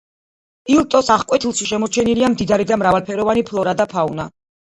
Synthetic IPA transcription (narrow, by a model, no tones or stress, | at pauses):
ilˠt̪ʼɔsaχkʼwɛt̪ʰilˠʃiʃɛmɔɾt͡ʃʰɛniliamd̪id̪aɾid̪amɾavalˠpʰɛɾɔvanipʰlɔɾad̪apʰauna